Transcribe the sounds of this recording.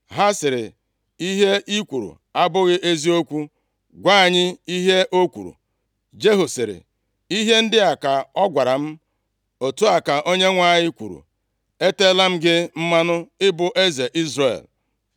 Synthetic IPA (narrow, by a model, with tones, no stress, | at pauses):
ɦa˦sɪ˨ɾɪ̰˨ | i˦ɦe˦ʔi˦kʷu˨ɾṵ˨ | a˦bʊ˦ɣɪ˦ʔe˦zi˦o˦kʷu˦ | ɡʷa˦a˨ɲɪ˦i˦ɦe˦ʔo˦kʷṵ˨ɾṵ˨ | d͡ʒe˦ɦu˨sɪ˨ɾɪ̰˨ | i˦ɦe˦n̩˦dɪ˦a˨ka˨ɔ˦ɡʷa˨ɾa˨m̩˦ | o˨tu˦a˨ka˨ʔo˦ɲe˦ŋʷa˦˨ɲɪ˦kʷṵ˨ɾṵ˨ | e˦te˦la˦m̩˦ɡɪ˦m̩˦ma˦nʊ˦ɪ˦bʊ˨ʔe˦ze˨ʔi˦zre˨l